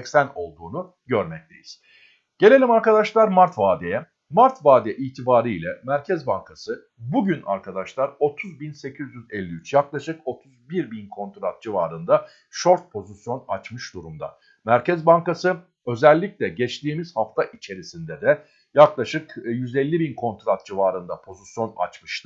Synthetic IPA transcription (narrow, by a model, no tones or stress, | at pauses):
ɛcsæno̞̰lˠd̪uːnu | ɟø̞ɾmɛc̚t̪ʰe̞̰jiz̥ | ɟ̥e̞lʲe̞lʲimaɾkad̪aʃlˠaɾmaɾt̪vaːd̪ɛjɛ | maɾt̪vaːd̪ɛʔiːt̪ʰibaːɾɯilʲɛmæɾcʰɛzbaŋkʰasɯ | buɟyna̰ɾkʰad̪aʃlˠaɾo̞t̪ʰuzbinse̞cʰizjyzɛlʲːiyt͡ʃjaklˠaʃɯko̞t̪ʰuzbiɾbinkʰo̞nt̪ɾat̪̚d͡ʒiva̰ːɾɯnd̪a | ʃo̞ɾt̪̚pʰo̞zisjo̞na̰t͡ʃmɯʃd̪uɾumd̪a̰ | mæɾcʰɛzbaŋkasɯ | ø̞zɛlʲːicʲlʲɛɟɛt͡ʃt̪iːmiz̥haft̪ʰaʔit͡ʃʰe̞ɾisind̪ɛd̪ɛ | jaklˠaʃɯkjyzɛlʲːibinkʰo̞nt̪ɾat̪̚d͡ʒivaːɾɯnd̪apʰo̞zisjo̞na̰t͡ʃmɯʃt̪ʰɯ